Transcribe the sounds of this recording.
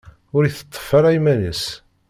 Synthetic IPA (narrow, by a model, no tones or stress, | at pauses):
ʊɾiθə̥t̪ˤːə̥fəɾˤæjmænəs